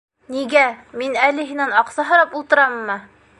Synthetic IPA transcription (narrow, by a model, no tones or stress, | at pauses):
niɡæminælɘ̆ɦɘ̆nænɑqsɑɦɤ̆ɾɑpulˠt̪ɤ̆ɾɑmːɤ